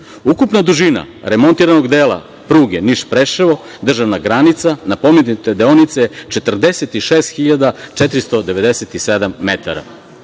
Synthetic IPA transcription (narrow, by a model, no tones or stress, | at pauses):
ukupnad̪uʒina̰ɾe̞mo̞nt̪iɾanoɡd̪eːla̰ | pɾuːɡeniʃpɾeʃeʋo̞ | d̪r̩ʒaʋnaɡɾanit̪sanapo̞menut̪ed̪eonit̪set͡ʃe̞t̪r̩d̪e̞set̪iʃe̞ːst̪xiʎad̪at͡ʃet̪ɾist̪o̞d̪e̞ʋe̞d̪eset̪ised̪amːet̪aɾa̰